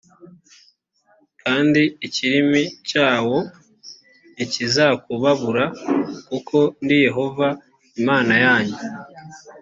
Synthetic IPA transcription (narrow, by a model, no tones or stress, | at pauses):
kʰaːndiːciɾimicaːwo̞ | nicizakuβaβuɾakukʰo̞ndije̞ɦo̞va | imaːnajaːɲe